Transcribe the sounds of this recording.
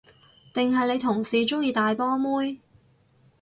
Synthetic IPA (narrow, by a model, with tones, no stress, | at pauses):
t̪ɪ˨ŋɦɐ˨jle˨˧jt̪ʰʊ˨˩ŋsiː˨t͡ʃʊ˥ŋjiː˧t̪aː˨jpɔː˥muː˥j